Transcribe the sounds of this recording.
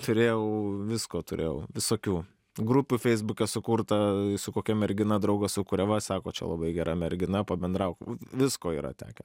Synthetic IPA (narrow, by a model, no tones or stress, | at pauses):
t̪ʊɾʲeːjɛʊʋʲɪskoːt̪ʊɾʲḛːjɛ̰ʊʋʲɪsoːkʲuː | ɡɾʊpʲuːfʲɛɪzbʊkʲɛsʊkuːrt̪ɐsʊkoːkʲɛmʲɛɾʲɡʲɪnɐd̪ɾɐʊɡɐsʊkʊːɾʲɛʋɐsɑːkoːt͡ʃʲɛ̰lˠɐ̰bɐɪɡʲɛɾʔɐmʲɛɾʲɡʲɪnɐpɐbʲɛnd̪rɐʊkʋʲɪskoːḭːɾɐ̰t̪ʲæ̰ːkʲɛ